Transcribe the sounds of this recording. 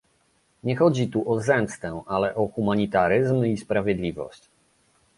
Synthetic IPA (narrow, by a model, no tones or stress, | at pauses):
ɲɛxɔd͡ʑit̪uʔɔzɛmst̪ɛ̃ʔalɛʔɔxumaɲit̪aɾɘzmispɾavʲjɛd̪lʲivɔ̰ɕt͡ɕ